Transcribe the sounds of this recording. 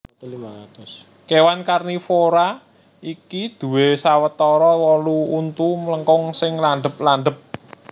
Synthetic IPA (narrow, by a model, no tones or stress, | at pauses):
kewankarnifoɾa | ikid̪̥ṳwesawət̪ɔɾɔwɔluunt̪umləŋkɔŋsɪŋland̪əp̚lanɖ̪əp̚